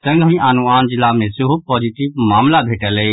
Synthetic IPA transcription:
sə̃ŋɡʱəĩanuaːnd͡ʒɪlːamẽsuɦupɔːd͡ʒiʈiʋmaːmlabʱeːʈəlɛ

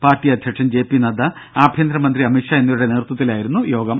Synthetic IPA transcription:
paːrʈːiɐd̪ʱjɐkʂɐmd͡ʑe̞ːpːinɐd̪ɐ | aːbʱjɐnd̪ɾɐmɐnd̪riɐmikʂae̞nːiɾuɽe̞neːɾt̪ːɐt̪ːilaːjiɾunːujo̞ːɡɐm

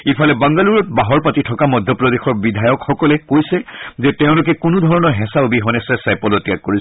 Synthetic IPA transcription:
ipʰalɛbaŋɡaluɹɔt̚baɦɔɹpatitʰɔkamɔd̪ʱjɔpɹɔd̪exɔɹbidʱajɔkxɔkɔlɛkojsɛzɛtɛʊ̃lʊk̬ɛkʊnʊd̪ʱɔɹɔnɔɹɦɛ̃saʊbiɦɔnɛsɛsajpɔlɔtijak̚kːoɹis

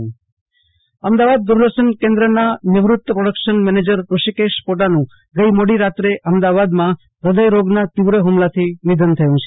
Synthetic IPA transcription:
əmd̪aʋad̪̚ːuɾd̪əʃənkẽnd̪ɾənanɪʋɾʊt̪ːəpɾoɽəkʃənmɛned͡ʒəɾɾuʃikeʃpoʈanũ | ɡəjmoɽiɾat̪ɾeʔəmd̪aʋad̪mã | ɾəd̪əjɾoɡnat̪iʋɾəɦumlat̪ʰinɪd̪ʱənt̪ʰəjũt͡ʃʰe

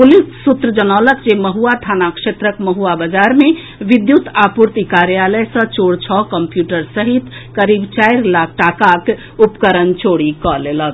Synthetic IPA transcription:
pulissut̪ɾəd͡ʒənaləkd͡ʒeməɦuat̪ʰanakʂet̪ɾəkməɦuabəd͡ʒaɾme | ʋid̪jut̪apuɾt̪ikaɾjaləjsə̃t͡ʃoɽt͡ʃʰɔkəmpjuʈəɾsəɦit̪kəɾibt͡ʃaiɾlakʰʈakak | upkəɾənt͡ʃoɽikɔlelək̚

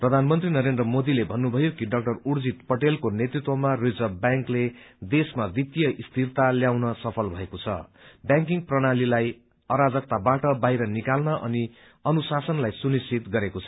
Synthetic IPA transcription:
prʌd̪ʱanmʌnt̪rinʌɾendrʌmod̪ilebʱʌnːubʱʌjokiɖʌk̚ʈʌrurd͡zit̪pʌʈelkonet̪rit̪wʌmarid͡zʌbjaŋkled̪esmad̪it̪ijʌʔist̪ʰirt̪aljawnʌsʌpʰʌlbʱʌekot͡sʰʌ̰bjãŋkiŋprʌɽ̃alilaj | ʌɾad͡zʌk̚t̪abaʈʌbajɾʌnikalnʌʔʌni | ʌnusasʌnlajsunist͡sʰit̪ɡʌɾekot͡sʰʌ̥

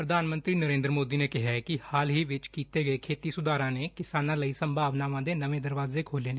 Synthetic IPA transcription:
pɾəd̪ʱaːnmə̃nt̪ɾiːnəɾẽːnd̪ɾəmoːd̪iːneːkɪɦakɪhaːlɦiːʋɪt͡ʃkiːt̪eːɡəeːkʰeːt̪iːsʊd̪aːɾãːneːkɪsaːnãːləiːsəmbʱaːʋnaːʋãːd̪eːnəʋẽːd̪əɾʋaːzeːkʰoːleːne

